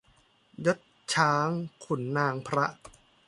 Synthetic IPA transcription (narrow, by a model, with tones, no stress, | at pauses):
jo˦˥t̪̚ | t͡ɕʰaː˦˥ŋkʰu˩˦nːaː˧ŋpʰɾa˦˥ʔ